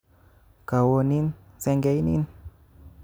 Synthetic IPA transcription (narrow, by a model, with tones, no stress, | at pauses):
ka˨wo˧ni˦n | se˧ŋɡe˧˦jnḭ˦n